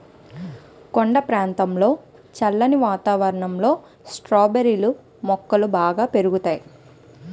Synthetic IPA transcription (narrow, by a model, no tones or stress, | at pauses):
koɳɖɐpɾaːnt̪ɐmlo̞ː | t͡ʃɐlːɐniʋaːt̪aːʋɐɾɐɳɐmlo̞ː | sʈɾoːbeɾilu | mɔkːɐlubaːɡaːpe̞ɾuɡut̪aːji